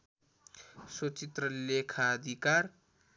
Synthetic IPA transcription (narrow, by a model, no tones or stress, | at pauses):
sot͡sit̪rʌlekʰaːd̪ʱikar